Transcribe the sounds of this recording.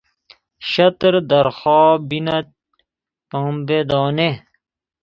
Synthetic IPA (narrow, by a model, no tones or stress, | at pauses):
ɕɐt̪ɾd̪ɐɾxɑːbinɐ | pɐ̃ːmbed̪ɑːne